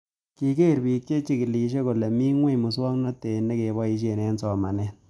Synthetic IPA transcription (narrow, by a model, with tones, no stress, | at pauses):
ki˨ke˦˨ɾbi˨k̚t͡ʃe˦t͡ʃi˦ki˨li˨ʃ̬e˦ko˨lɛ˨mi˦ŋwe˦mʊ˨swɔ˦ŋnɔ˦te˨ne˦ke˨bɔ˦i˧ʃ̬e˨nɛ˦nsɔ˨ma˨nɛ˦